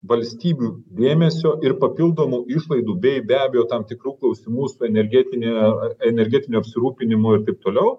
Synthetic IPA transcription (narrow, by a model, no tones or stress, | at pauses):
ʋɐlʲsʲt̪ʲiːbʲuːd̪ʲeːmʲɛsʲoːʔɪɾpɐpʲɪlˠd̪oːmuːɪʃlˠɐɪd̪uːbʲɛɪbʲæːbʲeɛjoːt̪ɐmt̪ʲɪkɾuːklˠɐʊsʲimuːsʊɛnʲɛɾʲɡʲɛːt̪ʲɪnʲeɛnʲɛɾʲɡʲɛt̪ʲɪnʲuɐpʲsʲɪɾuːpʲɪnʲɪmʊɪɾt̪ɐɪp̚t̪oːlʲɛʊ